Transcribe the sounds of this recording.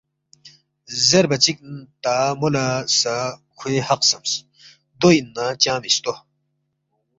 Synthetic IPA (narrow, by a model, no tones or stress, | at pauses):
zeɾbɐt͡ɕik̚nt̪amolasakʰwehɐqsɐms | d̪oinːat͡ɕãːmist̪o